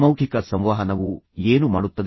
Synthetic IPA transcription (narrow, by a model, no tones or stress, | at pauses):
mɐwkʰikɐsɐmʋaːɦɐnɐʋueːnumaːɽut̪ːɐd̪